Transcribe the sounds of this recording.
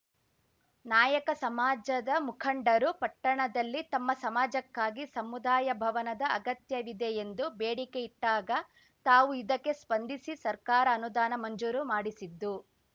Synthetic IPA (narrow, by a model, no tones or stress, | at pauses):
naːjɐkɐsɐmaːd͡ʒɐd̪ɐmukʰɐɳɖɐɾupɐʈːɐɳɐd̪ɐlːit̪ɐmːɐsɐmaːd͡ʒɐkːaːɡisɐmud̪aːjɐbʱɐʋɐnɐd̪ɐːɡɐt̪jɐʋid̪eend̪ubeːɽike̞iʈːaːɡɐ | t̪aːʋuid̪ɐkːe̞spɐnd̪ʱisisɐɾkaːɾɐːnud̪aːnɐmɐɲd͡ʒuːɾumaːɽisid̪ːu